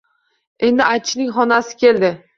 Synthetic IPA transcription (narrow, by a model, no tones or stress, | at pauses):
e̞nd̪ɪʔat͡ʃʰnɪŋχɒnasɪ̥kʲe̞ld̪ɪ